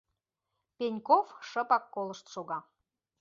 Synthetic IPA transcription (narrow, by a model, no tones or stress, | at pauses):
penʲkofʃə̆pɑkːoləʃt̪ʃoɣɑ